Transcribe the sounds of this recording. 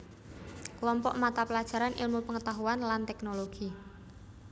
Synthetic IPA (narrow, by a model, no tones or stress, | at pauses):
klɔmpɔʔmat̪apəlḁʒ̥a̤ɾanʔḭlmupəŋət̪aɦuanlant̪ɛknoloɡ̥i